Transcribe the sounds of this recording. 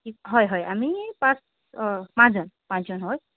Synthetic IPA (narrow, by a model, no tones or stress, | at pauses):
kiɦʌjɦʌjamipãs | pãd͡zʌnpãnt͡sʌnɦoj